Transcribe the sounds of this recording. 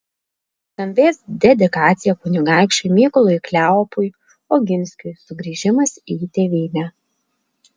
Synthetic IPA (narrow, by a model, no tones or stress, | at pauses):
t̪ɐmʲʋʲeːsd̪ʲɛd̪ʲɪkɑːt̪sʲɪjɛkʊnʲɪɡɑˑɪkʃʊɪmʲiːkʊlˠʊjklʲæɔpʊj | oːɡʲɪnʲsʲkʲʊjsʊɡɾʲiːʒʲɪmɐsiːt̪ʲeːʋʲiːnʲæ